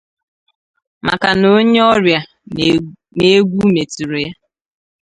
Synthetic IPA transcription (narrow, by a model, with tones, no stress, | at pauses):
ma̰˨ka˨no˦ɲe˦ɔ˦ɾja˨ | ne˦ɡʷu˦me˨ti˨ɾe˨ja˦